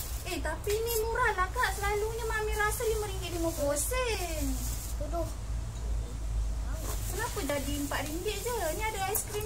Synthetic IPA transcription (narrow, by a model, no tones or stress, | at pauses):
et̪apinimuɾalakaʔsəlaluɲamamiɾasəljaməɾiŋɡiʔdiməkosən | t̪odoh | kənapəd͡ʒadimpaʔɾimbɪʔd͡ʒəniadəajskɾi